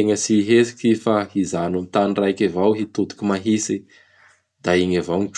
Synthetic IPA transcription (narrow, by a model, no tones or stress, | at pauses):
eŋəsiɦesi̥kifaizanamit̪anrajkavawɦit̪ud̪u̥kimaɦisi | d̪̥aiɲavaniʈ͡ʂ